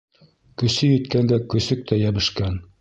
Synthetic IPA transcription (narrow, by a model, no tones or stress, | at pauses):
kɵ̆sɵjɵ̆t̪kænd̪ækɵ̆sɵk̚t̪ʰæjæβɘ̆ʃkæn